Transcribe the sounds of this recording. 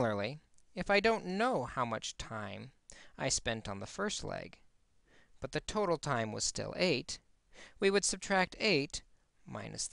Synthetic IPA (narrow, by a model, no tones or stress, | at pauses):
l̩ˠə˞lˠiɨfaɪdõʊ̃nːoʊhaʊmʌt͡ʃtʰãɪ̃ma̰ɪspɛ̃ntn̩ðəfɜ˞stˡlɛ̰ɡ̥ | b̥ʌt̪̚ðɨtʰoʊɾl̩ˠtʰãɪ̃mwʌ̰z̥stɪ̰lˠeɪt | wiwɨd̥sɨb̚tʰɹ̥æk̚tʰeɪt | mã̰ɪ̃nɨ̰s